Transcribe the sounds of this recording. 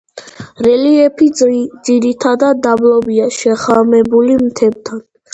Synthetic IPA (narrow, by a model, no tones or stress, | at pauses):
ɾɛliɛpʰid̪ziɾit̪ʰad̪ad̪ːablɔbiaʃɛχamɛbulimt̪ʰɛb̚t̪ʰan